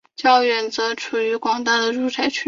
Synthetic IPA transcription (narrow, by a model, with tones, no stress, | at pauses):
t͡ɕjɑ˥˩ʊɥɛ˨˩nt͡sɤ˧˥ʈ͡ʂʰu˨˩y˧˥kwɑ˥ŋt̪a˥˩d̪ə˩ɻu˥˩t͡sʰa˧˩ɪt͡ɕʰy˥